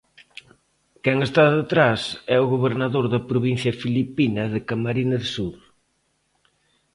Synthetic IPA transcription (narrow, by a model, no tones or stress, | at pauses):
kɛŋest̪aðɪt̪ɾasɛʊɣoβeɾnɐðoɾðɐpɾoβinθjɐfilipinɐðɪkɐmaɾinɐðɪsuɾ